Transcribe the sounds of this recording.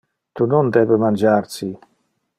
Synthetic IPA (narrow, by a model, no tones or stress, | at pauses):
t̪unɔnd̪ɛbəmand͡ʒaɾsi